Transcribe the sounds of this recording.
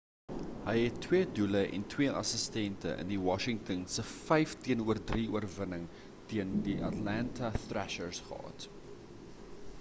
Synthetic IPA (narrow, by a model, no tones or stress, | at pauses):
ɦəjɦɛtːwiəduləʔɛ̰ntwiəʔɐ̰səstɛntə̰ʔə̰ndiwɑʃɪŋtənsəfɛjftiənuərdriuərvənəŋ | tiəndiʔɐtlæntɐθræʃərsχə̰ɦɑ̰t